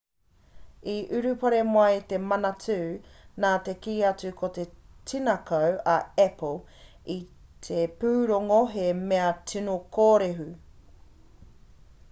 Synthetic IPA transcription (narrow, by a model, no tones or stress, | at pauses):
iʔʉɾʉpɐɾemoɐjt̪emɐnɐt͡sʉːnaːt̪e̞kiːɐt͡sʉkʰot̪e̞t͡sinɐkɐwɐɛpʰol | it̪ʰepʉːɾoŋoɦemeɐt͡sʰinokoːɾeɦʉ